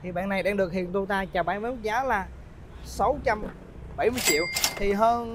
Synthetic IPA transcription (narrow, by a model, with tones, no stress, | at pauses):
t̪ʰi˨˩ɓa̰ː˧˨nːa˨˩jɗaː˧ŋɗɨ˨˩ək̚hḭ˧˨ənt̪u˧t̪aː˧t͡ɕa˨˩wɓaː˧˨nmə˧˦mu˦˥k̚zaː˨˦laː˨˩ | sa˨˦wt͡ɕa˧m | ɓə˧˩jmɨ˧əjt͡ɕḭ˧˨əwt̪ʰi˨˩ɦəː˧n